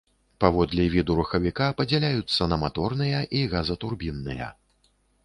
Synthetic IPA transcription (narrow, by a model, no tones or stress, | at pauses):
pavɔd̪lʲivʲid̪uɾuxɐvʲikapɐd͡zʲɛlʲajut̪sːɐnɐmat̪ɔrnɨjɐʔiɣazɐt̪urbʲinːɨjɐ̰